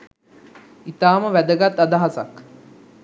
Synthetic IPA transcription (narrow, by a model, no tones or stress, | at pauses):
it̪aːməʋæd̪əɡat̪ːɐd̪aɦasa̰k